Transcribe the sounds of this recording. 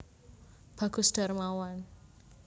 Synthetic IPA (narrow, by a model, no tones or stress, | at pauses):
b̥a̤ɡ̥ṳsd̥a̤rmawan